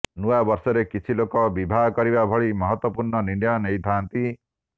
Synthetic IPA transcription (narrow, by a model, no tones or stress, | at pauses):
nuabʌɾsɔɾekit͡ʃʰilokɔbibʱaɦkɔɾibabʱɔɭimɔɦɔt̪wɔpuɾɳɔniɳɖjanejd̪ʱant̪i